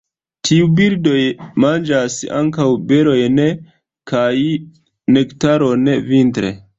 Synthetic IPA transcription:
tʰiubiɾdo̞jmand͡ʒasa̰ŋkawbe̞ɾo̞jne | kaj | nektaɾo̞nvintɾḛ

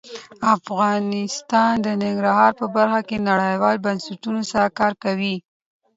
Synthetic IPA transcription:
afɣɑnɪst̪ɑnd̪ənɪŋɡɾahɑɾpəbaɾxakenaɽəjwɑlbansaʈunosaɾakɑɾkawi

